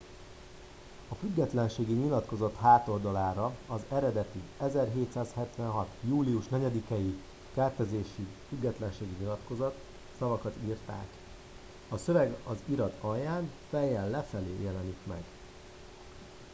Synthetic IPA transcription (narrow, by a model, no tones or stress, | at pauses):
ɒfyɡːɛt̪lɛnʃeːɡiɲilɒt̪ko̞zɒt̪ɦaːt̪o̞ld̪ɒlaːɾɒɒzɛɾɛd̪ɛt̪iɛzɛrɦeːt̪saːshɛt̪ʋɛnɦɒt̪juːliuʃnɛɟɛd̪ikɛji | kɛrt̪ɛzeːʃifyɡːɛt̪lɛnʃeːɡiɲilɒt̪ko̞zɒt̪ | sɒvɒkɒt̪iːrt̪a̰ːk | ɒsøvɛɡɒziɾɒt̪ɒjaːnfɛjɛlːɛfɛleːjɛlɛnik̪mɛ̰ɡ